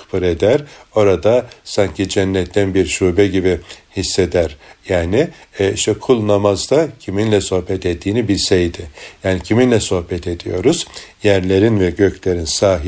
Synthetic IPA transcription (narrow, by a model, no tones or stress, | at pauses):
bɯɾed̪æɾo̞ɾad̪asaɲcid͡ʒɛnːɛt̪ʰːænbiɾʃuːbɛɟibihisːed̪æɾjaːnɪɛiʃt̪ʰɛkʰulˠnamazd̪acʰiminlʲɛso̞hbɛt̪et̪ʰːiːnibilʲsɛjd̪ɪjaːnicʰiminlʲɛso̞hbɛt̪ʰed̪ijo̞ɾuz̥jæɾlʲe̞ɾinvɛɟøcʰlʲe̞ɾinsaːɦ